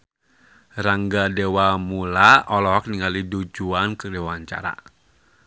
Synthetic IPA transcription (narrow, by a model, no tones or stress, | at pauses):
raŋɡadewamulaɔlɔɦɔk̚niŋalidud͡ʒuankədewwaɲt͡ʃa̰ɾa̰